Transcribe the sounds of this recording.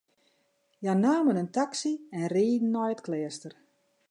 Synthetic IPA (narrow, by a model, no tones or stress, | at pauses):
janaːmənəntaksiɛnriːdn̩ːɔjətklɛəstər